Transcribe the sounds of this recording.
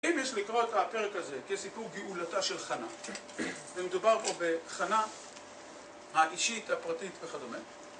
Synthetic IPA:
imjeʃlikʁo̞thape̞ʁekhaze̞kesipuʁɡiʔulataʃe̞lχana̰ | zemedubaʁpo̞be̞χana | haiʃit̪hapʁatit̪veχadome

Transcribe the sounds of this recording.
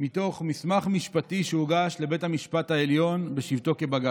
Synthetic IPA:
mito̞χmismaχmiʃpatiʃeuɡaʃle̞be̞thamiʃpathaeljo̞nbe̞ʃivt̪o̞ke̞baɡa

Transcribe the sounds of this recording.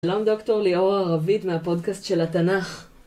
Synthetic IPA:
lomd̪o̞kto̞ʁlio̞ʁaʁavit̪meapo̞dkastʃe̞lat̪anaχ

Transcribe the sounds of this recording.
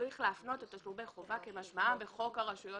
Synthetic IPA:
ʁiχleafno̞tet̪aslubeχovake̞maʃmaabeχo̞kaʁaʃujo

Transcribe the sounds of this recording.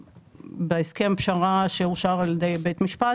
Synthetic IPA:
beeske̞mpʃaʁaʃeuʃaʁaljd̪ejbet̪miʃpa

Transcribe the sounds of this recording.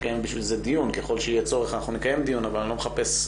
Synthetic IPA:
kajembiʃvilzed̪ijunkeχo̞lʃeijet͡so̞ʁeχanaχnunikaje̞md̪ijunavalnlo̞meχape̞s

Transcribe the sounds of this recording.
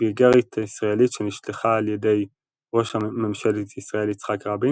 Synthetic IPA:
biɡaʁit̪ʰaisʁaelitʃeniʃleχaːljede̞j | ʁo̞ʃhamemʃalit̪isʁaelit͡sχakʁabi

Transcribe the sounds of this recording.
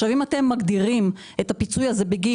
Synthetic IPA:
ʃavimate̞mːaɡd̪iʁim | et̪apit͡sujazebeɡi

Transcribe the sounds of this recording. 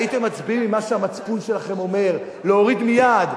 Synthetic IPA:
it̪e̞mːat͡sbiimːimaʃeamat͡spunʃe̞laχe̞mo̞me̞ʁ | leoʁid̪mijad̪

